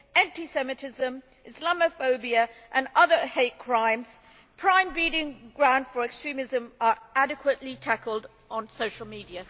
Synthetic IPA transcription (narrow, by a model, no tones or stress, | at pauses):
æ̃ntisɛmɨtʰɪzə̃m | ʔɪslaməfəʊbiəʔə̃nʌðə˞heɪt̚kʰɹ̥ãɪ̃mz̥ | pʰɹ̥ãɪ̃mbiɾɪ̃ŋɡɹãʊ̃nd̥fə˞ɛkstɹ̥ĩmɪzə̃mə˞ʔæɾɨkʰwəʔlitʰakəlˠd | n̩soʊʃəl̩ˠmiːdiɨ